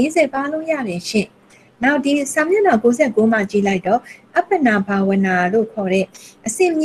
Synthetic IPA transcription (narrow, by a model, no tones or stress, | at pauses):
ezɛpalõʊ̃jä̰ðɛ̃ʃɪ̰̃ | naʊʔdisãmjonakozɛkom̥ä̰t͡ɕḭlaɪtːɔʔapːənabawə̃nalo̰kʰɔɾɛ̰ʔəsɪ̃mj